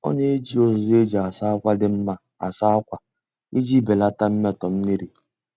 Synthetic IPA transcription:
ɔ̰˦ne˦d͡ʒi˦o˦zʊ˨˦e˦d͡ʒi˨a˨sa˦kʷa˦dɪ˦m̩˦ma˦ | a̰˨sa˦kʷa˨ | i˦d͡ʒi˦be˨la˦ta˦m̩˦me˦˨tɔ˨m̩˦mi˦ɾi˨

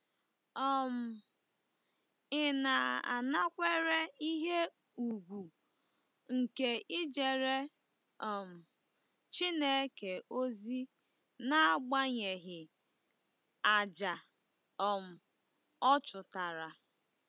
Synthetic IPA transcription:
ɔ˦m̩˨ | ɪ˦na˨a̰˨na˦kʷe˦ɾe˦i˦ɦe˦ | u˨ɡʷu˨ | ŋ̩˨ke˨ɪ˦d͡ʒe˨ɾe˦ | ɔ˨m̩˨ | t͡ʃi˦ne˦ke˨ʔo˦zi˦ | na˦a˦ɡ͡ba˦ɲe˨ɦɪ˨ | a˨d͡ʒa˨ | ɔ˨m̩˨ | ɔ˦t͡ʃʊ˨ta˨ɾa˨

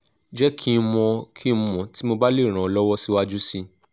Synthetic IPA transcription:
d͡ʒɛ˦kʰi˦˧mɔ̃˧kʰi˦˧mɔ̃˨ti˨˦mo˧ba˦le˦˨ɾ̃ã˨lɔ˦wɔ˦si˧˦wa˦d͡ʒu˦si˧

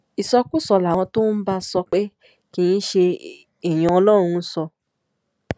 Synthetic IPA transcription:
i˨sɔ˧ku˦˨sɔ˧la˨w̃ɔ̃˧to˦n̩˦ba˦sɔ˧k͡pe˦ | kĩ˦˧ĩ˦ʃe˧ | e˨j̃ã˧ɔ˧lɔ˦˨ɾ̃ũ˧˦sɔ˧

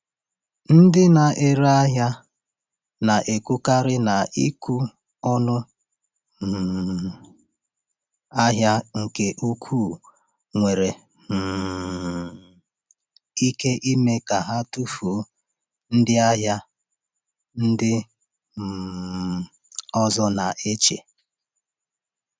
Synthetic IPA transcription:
n̩˦dɪ˦na˨ʔe˨ɾa˦ɦja˦ | na˨ʔe˨ku˦ka˦ɾɪ˦na˨ʔi˦ku˦ | ɔ˦nʊ˦˨ | a˦ɦja˦ŋ̩˨ke˨ʔu˦kʰu˦˨ | ŋʷe˨ɾe˨ | i˦ke˦ʔi˦me˦ka˨ɦa˦tu˦fu˨˦ | n̩˦dɪ˦a˦ɦja˦ | n̩˦dɪ˦˨ | ɔ˦zɔ˦na˨ʔe˦t͡ʃḛ˨

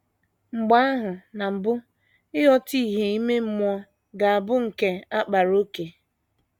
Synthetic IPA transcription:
ŋ͡m̩˨ɡ͡ba˦a˦ɦʊ˨na˨m̩˨bʊ˦ | ɪ˦ɦɔ˦ti˦i˦˨ɦe˨i˦me˦m̩˦mʷ˦ɔ˦ | ɡa˨a˨bʊ˦ŋ̩˨ke˦a˦k͡pa˨ɾo˦ke˨

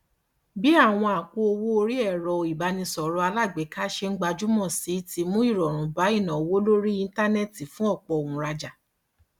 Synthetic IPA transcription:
bi˦a˦˨w̃ɔ̃˧a˨ku˧o˧wo˦o˧ɾi˦ɛ˦˨ɾɔ˨i˨ba˨˧˦nĩ˧sɔ˨ɾɔ˧˦a˧la˦˨ɡ͡be˨˦ka˦ʃe˧ŋ̩˦ɡ͡ba˧d͡ʒu˦mɔ̃˦˨si˨˦ti˧mũ˦i˦˨ɾɔ˨ɾ̃ũ˨˦ba˨˦i˦˨nã˨o˨wo˦lo˦ɾi˦ĩ˧n˦ta˦nɛ˦˨ti˨fũ˦ɔ˦˨k͡pɔ˨˧o˨ũ˨˦ɾa˧d͡ʒa˨

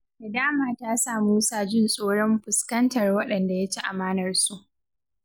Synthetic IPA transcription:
da˨daː˦maː˨taː˦saː˨muː˦saː˦d͡ʒɪ˦nsʼoː˦ɽɔ˦mɸʊ˨skɐ˦ntɐ˨rwɐ˦ɗɐ˨nda˨ja˦t͡ʃi˦ʔa˨maː˦nɐ˨rsu˦ʔ

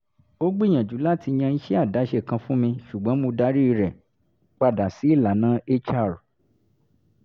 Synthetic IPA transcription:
o˦ɡ͡bĩ˦˨ã˨d͡ʒu˨˦la˦˨ti˧j̃ã˧n̩˦ʃɛ˦a˦˨da˨˦ʃe˦˨kã˧fũ˦mĩ˧ʃu˨ɡ͡bɔ̃˨˦mõ˧da˦ɾi˦i˧ɾɛ˨ | k͡pa˧˨da˨si˨˦i˦˨la˨˦nã˨˦e˦t͡ʃa˦˨ɾ

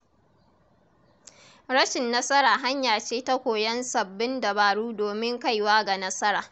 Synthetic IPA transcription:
ɽɐ˦ʃɪ˨nːɐ˦sɐ˦ɾaː˨ɦa˦ɲjaː˨t͡ʃeː˦ta˦kʷoː˨jɐ˦nsɐ˨bːɪ˦ndɐ˨baː˨ɽuː˦doː˨mɪ˦ŋka˦jwaː˦ɡa˨nɐ˦sɐ˦ɾaː˨

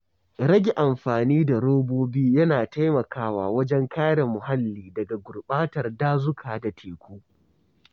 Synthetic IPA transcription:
ɾɐ˦ɡʲe˨ʔa˨mɸaː˨niː˦da˨ɽoː˦boː˦biː˦jɐ˦naː˨ta˦jmɐ˨kaː˦wa̰ː˨wɐ˦d͡ʒɛ˦ŋkaː˦ɽe˨mʊ˨ɦa˦lːiː˨dɐ˨ɡa˨ɡʷʊ˨rɓaː˦tɐ˨rdaː˦zʊ˦kʰaː˨da˨tʰeː˨kʷoː˦

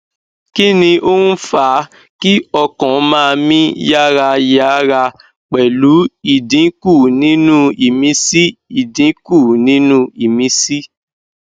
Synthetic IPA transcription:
ki˦nĩ˧ʔo˦n̩˦fa˨˦ | ki˦ɔ˧kɔ̃˨˦mãː˦˧mĩ˦ja˦ɾa˧ja˧˦ɾa˧ | k͡pɛ˨lu˨˦i˦˨dĩ˨˦ku˦˨nĩ˨˦nũ˦i˨mĩ˨˦si˦i˨dĩ˨˦ku˦˨nĩ˨˦nũ˦i˨mĩ˧˦si˦

